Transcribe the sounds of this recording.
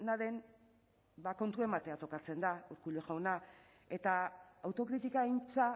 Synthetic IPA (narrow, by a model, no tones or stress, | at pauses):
naðe̞n | bako̞nt̪ue̞mat̪e̞at̪o̞kat͡se̞nd̪auɾkuloʝawna | e̞t̪aawt̪o̞kɾit̪ikaint͡sa